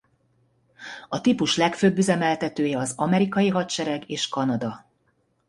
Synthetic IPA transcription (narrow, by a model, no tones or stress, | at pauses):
ɒt̪ipuʃlɛkføːbːyzɛmɛlt̪ɛt̪øːjɛɒzɒmɛɾikɒjiɦɒt̪ʃɛɾɛɡeːʃkɒnɒd̪ɒ